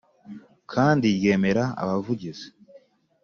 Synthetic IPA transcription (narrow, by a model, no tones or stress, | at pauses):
kʰaːndiɾje̞ːme̞ɾaa̰βavuɟize̥